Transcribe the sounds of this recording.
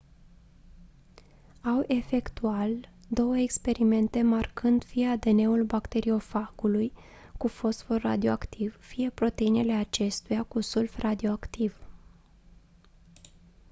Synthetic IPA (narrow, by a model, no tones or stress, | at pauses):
awʔe̞fe̞kt̪ual | d̪o̞wəekspe̞ɾime̞nt̪e̞markɨnd̪fijead̪e̞ne̞ulbakt̪e̞ɾio̞faɡuluj | kufo̞sfo̞ra̰d̪ioakt̪ʰivfije̞pɾo̞t̪e̞inele̞at͡ʃe̞st̪ujakusulfrad̪io̞akt̪iv